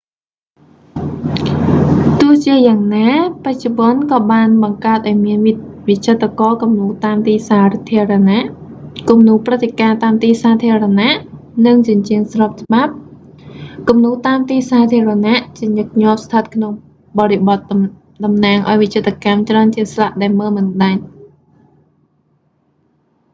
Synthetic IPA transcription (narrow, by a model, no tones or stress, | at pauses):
t̪ʊ̆əht͡ɕiəjaːŋnaːpac̚t͡ɕuɓŏənkɑːɓaːnɓɑŋkaət̪̚ʔaɔjmiənʋict͡ɕʰət̪ːakɑːkumnuːt̪aːmt̪iːsaːt̪ʰiəranaʔkumnuːprɨt̪ʰːekaːt̪aːmt̪iːsaːt̪ʰiəranaʔnɨŋt͡ɕiənt͡ɕiəŋsrɑːp̚t͡ɕ̆ɓap̚ | kumnuːt̪aːmt̪iːsaːt̪ʰiəranaʔt͡ɕiəɲɨk̚ɲŏəp̚st̪ʰət̪̚kʰnoŋ | ɓɑːɾiɓɑt̪̚ | ɗɑmnaːŋʔa̰ɔjʋit͡ɕʰət̪ːakamt͡ɕraənt͡ɕiəŋslaʔɗaɛlməːlmɨnɗaɲ